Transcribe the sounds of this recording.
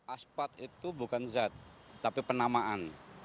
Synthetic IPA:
ʔaspat̪it̪ubukanzat̪ːapipənamaʔan

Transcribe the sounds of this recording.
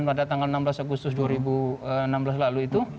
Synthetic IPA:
npadat̪aŋalənamblasaɡust̪ʊsduaɾibuənamblas̬laluit̪u

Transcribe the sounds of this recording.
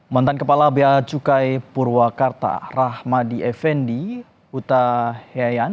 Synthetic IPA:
mant̪ankəpalabeat͡ʃukajpurwakart̪a̰rahmadiɛfɛndi | ut̪aheajan

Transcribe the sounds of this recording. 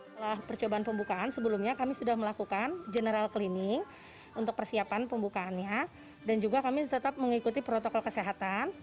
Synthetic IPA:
əlahpərt͡ʃobaanpəmbukaʔansəbəlumɲakamisudahməlakukand͡ʒənəɾalkəlinɪŋ | unt̪ʊk̚pərsiapanpəmbukaːnɲa | dand͡ʒuɡakamit̪ət̪ap̚məŋikut̪ipɾot̪okɔlkəseɦat̪an

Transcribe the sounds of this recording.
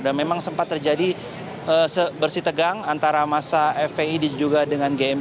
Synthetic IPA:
damemaŋsəmpat̪ːərd͡ʒadi | əːsəbərsit̪əɡaŋant̪aɾamasaɛfeidid͡ʒuɡadəŋanɡeɛm

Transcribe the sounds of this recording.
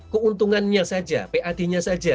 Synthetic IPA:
kuunt̪uŋanɲasad͡ʒa̰peʔad̪̥i̤ɲasḁd͡ʒa

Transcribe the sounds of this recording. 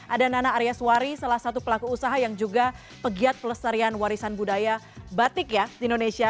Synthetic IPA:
ʔadananaaɾiaswaɾisalahsat̪upəlakuːsaɦajaŋd͡ʒuɡa | pəɡiat̪̚pələsaɾianwaɾisanbudaja | bat̪ɪkjadiːndonesia

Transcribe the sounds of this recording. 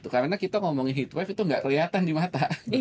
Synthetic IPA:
t̪ukarnakit̪aŋɔmɔŋinɦit̪wɛfit̪uŋɡaʔkəliat̪andimat̪a

